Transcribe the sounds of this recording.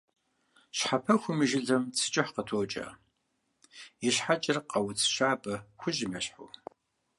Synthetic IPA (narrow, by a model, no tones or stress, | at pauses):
ɕħapʰɐxʷʊmɨʒɪɮɐmt͡sʰɨ̥t͡ʃʼɪħqətʰoːt͡ʃʼɐ̰ː | iɕħat͡ʃʼɪrqʼɐwt͡sʰʃaːbɐxʷʊʒɪmɐɕħo̰